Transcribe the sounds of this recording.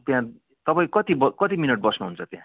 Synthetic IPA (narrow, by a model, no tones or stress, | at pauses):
t̪jã | t̪ʌpaĩkʌt̪ibʌkʌt̪imineʈ̚bʌsnuɦunt͡sʰʌt̪jã̰